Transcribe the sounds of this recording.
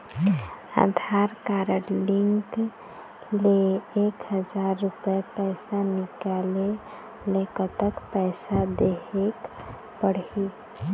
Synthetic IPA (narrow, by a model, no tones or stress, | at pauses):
a̰d̪ʱaɾkaɾəɾliŋk | leekɦəd͡ʒaɾːupepɛjsanikale | lekət̪əkpɛɪsad̪eɦek | pəɽi